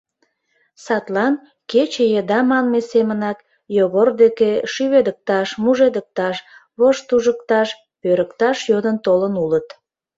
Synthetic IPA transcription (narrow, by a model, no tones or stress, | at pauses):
sɑt̪lɑn | ket͡ɕejed̪ɑmɑnmesemənɑk | joɣord̪ekeʃyβed̪ək̚t̪ɑʃmuʒed̪ək̚t̪ɑʃβoʃt̪uʒəkt̪ɑʃ | pøɾəkt̪ɑʃjod̪ənt̪olənulət̪